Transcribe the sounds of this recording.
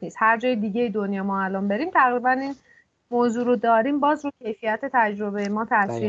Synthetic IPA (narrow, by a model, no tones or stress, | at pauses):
iːshæɾd͡ʒɒːjed̪iːɟejid̪onjɒːmɒːælɒːnbe̞ɾiːmt̪ʰæɣɾiːbæniːn | moːzuːɾod̪ɒːɾiːmbɒːzɾucʰe̞jfijæt̪ʰe̞t̪ʰæd͡ʒɾo̞be̞jemɒːt̪ʰæsɾi